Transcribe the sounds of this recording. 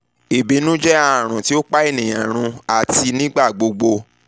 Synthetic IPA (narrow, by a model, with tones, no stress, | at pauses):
e˨bi˨˦nũ˦d͡ʒɛ˦a˨ɾ̃ũ˨ti˨˦o˦k͡pa˦e˦˨nĩ˨j̃ã˨ɾ̃ũ˧a˨ti˧nĩ˦ɡ͡ba˦˨ɡ͡bo˧ɡ͡bo˧